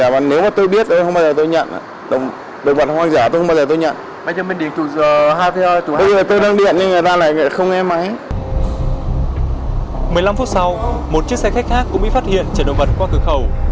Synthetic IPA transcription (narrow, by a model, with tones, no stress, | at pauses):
aː˨˩ma˨˩ne˨˦wmaː˨˩t̪o˧jɓi˦˥ət̚t̪o˧jxə˧ŋ͡maː˧wzəː˨˩t̪o˧jɲə̰˧˨n̰˨ | ɗə˨˩ŋ͡m | ɗə˨˩w̚ŋ͡mɓə˨˩t̚hwaː˧ŋzaː˧˩t̪o˧jxwŋ͡mɓa˧zəː˨˩t̪o˧jɲə̰˧˨n | ɓa˧˩zəː˨˩me˨˩nɗi˨˩ənt̪u˧˩˨ɦaː˧jtə˧˦ha˧t̪u˧˨˩ɓə˧zəː˨˩˨t̪o˧jɗa˧ŋɗḭ˧˨ənɲa˧ŋɨ˨˩əjt̪aː˧la̰ː˧˨jŋa̰ː˧˨jxə˧wŋ͡mŋɛ˧mːa˨˦j | mɨ˨˩əjla˧mfu˦˥t̚sa˧wmo˨˩t̚t͡ɕi˦˥ək̚sɛ˧˩xa˦˥jk̟̚xaː˦˥kːʊ̰˧˥ŋ͡mɓḭ˧˨faː˦˥t̚hḭ˧˨ənt͡ɕə˧˩nɗə̰˨ŋ͡m̚mə˨˩t̚kwaː˧kɨ˨˧˩xə˨˩w